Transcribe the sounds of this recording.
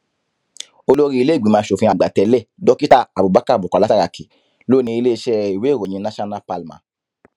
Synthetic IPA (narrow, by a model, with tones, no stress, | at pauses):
o˧lo˦ɾi˦i˧le˦˨ɡ͡bĩ˨˦mãː˨˧˦ʃo˨fĩ˧a˨ɡ͡ba˨tɛ˧˦lɛ˦˨dɔ˦ki˦ta˦a˨bu˨ba˨˦ka˦˨bu˨ka˨la˦a˦ɾa˨ki˨ | lo˦˨nĩ˧i˧le˦i˧˦ʃɛ˦i˨we˨˦˨ɾo˨ĩ˧˦nã˦ʃa˦nã˦pa˧lmã̰˨˦